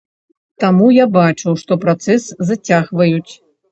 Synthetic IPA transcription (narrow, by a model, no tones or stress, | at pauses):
t̪amujabat͡ʂɨwʂt̪ɔpɾat̪sɛsːat͡sʲaɣvɐjut͡sʲ